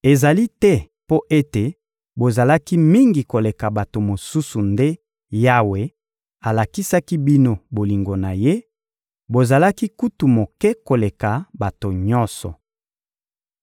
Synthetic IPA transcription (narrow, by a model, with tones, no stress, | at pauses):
e˨za˨li˦tɛ˦ | po˦ʔe˦te˨ | bo˨za˨la˦ki˦mi˦ŋɡi˨ko˨le˨ka˨ba˨to˨mo˨su˦su˨nde˦ | ja˦we˨ | a˨la˨ki˦sa˦ki˦bi˦no˦bo˨li˨ŋɡo˨na˨je˦ | bo˨za˨la˦ki˦ku˦tu˨mo˨kɛ˦ko˨le˨ka˨ba˨to˨ɲɔ̃˦nsɔ̰˨